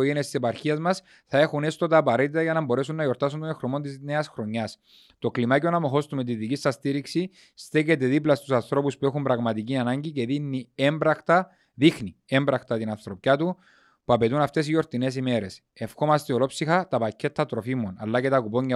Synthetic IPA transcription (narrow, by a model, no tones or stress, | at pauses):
oʝeniest̪isepɐɾçiɐzmɐs | θɐe̞xune̞st̪ot̪ɐːpɐɾet̪it̪ɐʝɐnɐmbo̞ɾe̞sunːɐjo̞ɾt̪ɐs̬und̪onexɾomo̞nt̪izne̞ɐsxɾo̞ɲːɐs | t̪o̞klimaceonɐmo̞xo̞st̪umet̪iðicisːɐst̪iɾiksi | st̪ece̞t̪e̞ðiplɐst̪usɐnθɾo̞puspue̞xumbɾɐɣmɐt̪iciɐnɐɲɟice̞ðinːie̞mbɾɐxt̪ɐ | ðixni | e̞mbɾɐxt̪ɐt̪inɐnθɾo̞pcat̪u | puɐpe̞t̪unɐft̪e̞sijo̞ɾt̪ine̞s̬ime̞ɾe̞s | e̞fxo̞mɐst̪eolo̞psixɐt̪ɐpɐcʰːe̞t̪ʰːɐt̪ɾo̞fimo̞nɐ̰lːɐce̞t̪ɐkupo̞ɲːɐ